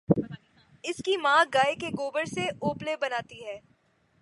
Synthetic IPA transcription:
ɪskimãːɡaːekeɡoːbəɾseoːplebɐnaːt̪iɦɛː

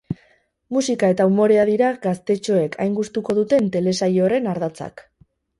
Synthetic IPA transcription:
musikae̞t̪aumo̞ɾe̞aðiɾaɡast̪e̞t͡ʃo̞e̞kʰa̰jŋɡust̪uko̞ð̞ut̪e̞nt̪e̞le̞sajo̞re̞naɾðat͡sa̰k

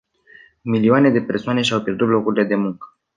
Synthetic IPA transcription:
milioane̞d̪e̞pe̞rsoane̞ʃiawpjerd̪ut̪lo̞kuɾile̞d̪e̞muŋkə̥

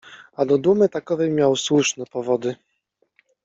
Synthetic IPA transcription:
ad̪ɔd̪umɘt̪akɔvɛjmʲjawswuʂnɛpɔvɔd̪ɘ

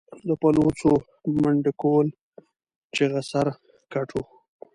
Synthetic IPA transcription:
d̪əpalot͡so | məɳɖɪkoːl | t͡ʃeɣasaɾ | kaʈʰo

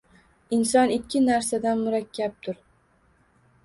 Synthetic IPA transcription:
ɪnsɒnɪkʲʰːɪnaɾsad̪anmʊɾakʲʰːap̚t̪ʰʊɾ

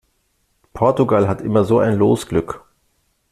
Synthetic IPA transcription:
pʰɔɐtuɡalɦatʔɪmɐzoːa̰ɪnloːsɡ̥lʏk

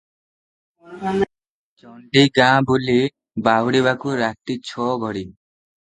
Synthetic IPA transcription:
ɔɳɖiɡãbuli | bawɽiβakuɾaʈ̪ːit͡ɕʰɔɡʱɔɽi

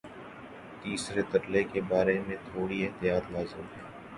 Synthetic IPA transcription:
t̪iːsɾet̪ɐʈlekebaːɾemẽt̪ʰoːɽieɦt̪ɪjaːt̪laːzɪmɦɛː

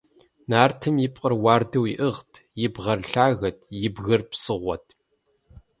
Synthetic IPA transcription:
naːrtʰɨmjɪpʼqʼərwaːrdɐwɪʔɨʁtʰjɪbʁɐrɬaːɣɐtʰjɪbɣɐrpsɨʁʷɔ̰tʰ

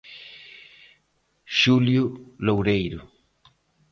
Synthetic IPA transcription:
ʃuljʊlowɾejɾʊ

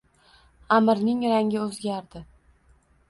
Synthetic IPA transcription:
amɾnɪŋɾaŋʲɪɵzɡʲaɾd̪ɪ

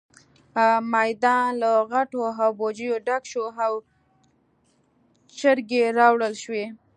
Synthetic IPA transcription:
majd̪ɑnlaɣaʈoɦawbod͡ʒəjoɖakʃoɦaw | t͡ʃəɾɡeɾɑwɽəlʃwe

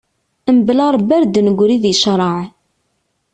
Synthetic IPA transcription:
əmblɑɾˤbæɾd̪nəɡʷɾiðiʃɾˤɑʕ

